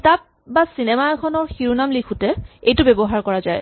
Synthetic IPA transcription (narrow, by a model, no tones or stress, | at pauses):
tap̚ | basinɛmaɛkʰɔnɔɹxiɹunamlikʰutɛejtʊbebɔɦaɹkɔɹazaj